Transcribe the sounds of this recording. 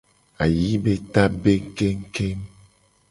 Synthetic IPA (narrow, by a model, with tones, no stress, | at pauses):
a˨ji˨˦be˦ta˦be˦ŋ̩˦ke˦ŋ̩˦ke˦m